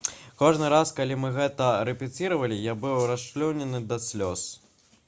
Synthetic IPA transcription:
kɔʐnɨɾaskalʲimɨɣɛt̪ɐɾɛpʲit͡sʲiɾɐvɐlʲijabɨwɾaʂt͡ʃlʲɔwnʲɛnɨd̪ɐsʲlʲɔs

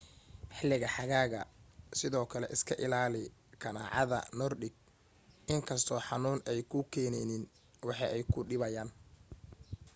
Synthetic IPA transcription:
ħɪlɪɣɐħɑɣaːɣɐsɪðɔːkʰɐlɛ̰ʔɪskʰɐʔɪlaːlɪkʰɐna̰ːʕɑ̰ðɐ̰nɔrɗɪɡ̚ | ʔɪŋkʰɐst̪ʰɔːħɑnuːnɛjkʰʊkʰɛːnɛnɪn | wɑħɑʔɛjkʰʊɗɪβɐjaːn

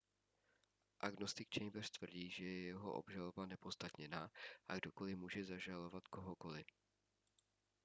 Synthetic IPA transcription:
ʔaɡnost̪ɪk̚t͡ʃɛjbɛrt̪vr̩ɟiːʒɛjɛjɛɦo̰ʔo̰bʒalo̞banɛpost̪at̪ɲɛnaːʔaɡdoko̞lɪmuːʒɛzaʒalo̞vat̪koɦoko̞lɪ

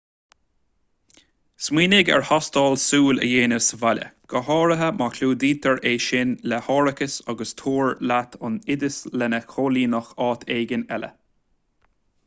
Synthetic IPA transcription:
smiːnɪɡɛ̰ɹhɑst̪ɑːlsuːlə̰jeːnəsəvalʲə̰ɡ̥əɦɑːɹəɦəmakʰluːd̪iːt̪ʰəɹeːʃɪnlɛhɑːɹəkəsɑɡəst̪ʰuːɹlat̪ʰʊnɪd̪əslɛnəkʰoːliːnəxɑːt̪ʰeːɡənɛlə̰

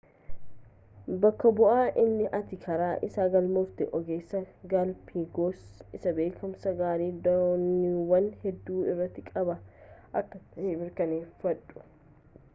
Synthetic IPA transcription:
bɐkːɐbʊʔaːʔɪnːɪʔɐt̪ɪkʰɐɾaːʔɪ̰saːɡɐlmʊft̪ɪʔɔɡeːsːɐɡalpʰiːɡoːsɪsɐbeːkʊmsɐɡaːɾiːd̪ɐniwɐnhɛd̪ːuːɪrːɐt̪ːɪkʼɐbɐʔɐkːɐɐhemɪɾkɐneːfɐᶑʊ̥

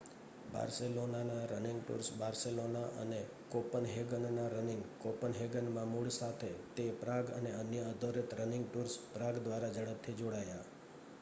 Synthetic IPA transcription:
ba̰ɾselonanaɾənɪŋɡʈṵɾsbaɾselonaʔə̰ne | kopənɦeɡənnaɾənɪŋɡkopənɦeɡənmãmuɭsat̪ʰet̪epɾaɡəneənjəəd̪ʱəɾit̪ɾənɪŋɡʈuɾspɾaɡd̪ʋaɾad͡ʒəɽəp̚t̪ʰːid͡ʒoɽaja

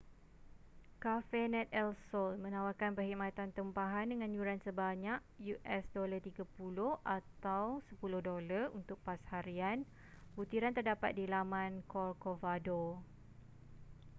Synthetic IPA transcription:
kafɛnɛ̃t̪̚ɛlsɔlmə̃nãwakanpərhimat̪ant̪əmpaɦandəŋãnjuɾansəbaɲaʔ̚ | juʔɛsdolart̪iɡapulʊhʔat̪awsəpulʊhdolarunt̪ʊk̚pashaɾian | but̪iɾant̪ərdapat̪̚dilamãnkɔrkovado

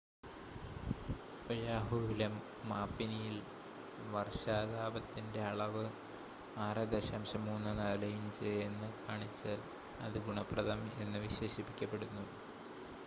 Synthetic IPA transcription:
ojaːɦuilɐmː | aːpːinijil | ʋɐrɕaːðaːbɐt̪ːinde̞ɐɭɐʋɨ | aːrɐd̪ɐɕɐːmɕɐmːuːnːɨnɐːlɐjumt͡ɕejenːɨkʰaːɳit͡ɕːaːl | ɐ̰ðɨɡuɳɐprɐðɐme̞nːɨʋiɕe̞ːɕipːikʲːɐpːe̞ɽunːu

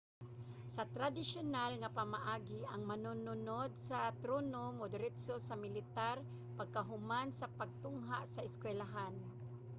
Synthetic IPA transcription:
sat̪ɾad̪ɪsjonalŋapamaʔaːɡɪʔaŋmanʊnʊnod̪̚sat̪ɾonomod̪ɾɪt̪sosamɪlɪt̪aɾ | paɡ̚kaɦʊmansapaɡ̚t̪ʊŋɦa̰ʔsaɪskwɛlaɦan

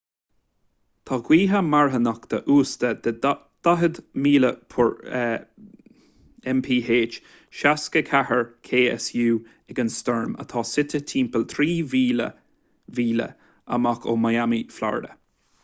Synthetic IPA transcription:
t̪ʰɑːɡwiːɦamaɹɦənakd̪̥əʔuːst̪əd̪ | d̪̥aɦəd̪miːləpʰɔɹ | ɛmpʰiːɦeːt͡ʃ | ʃaskəkʰahəɹkʰeːə̰sjuː | ɪɡənst̪ɔɹmə̰t̪ʰɑːsɪt̪ət̪ʰiːmpəlt̪ʰɾiːviːlə̰ | viːlə̰ | ə̰makʰo̰ːmajamifla̰ɹdə̰

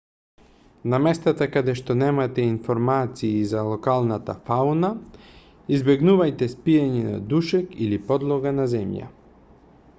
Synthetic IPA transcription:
namɛst̪at̪akad̪ɛʃt̪ɔnɛmat̪ɛinfɔɾmat̪siːzalˠɔkalˠnat̪a̰fauna | izbɛɡnuvajt̪ɛspijaɲɛna̰d̪uʃɛkilipɔd̪lˠɔɡanazɛmja̰

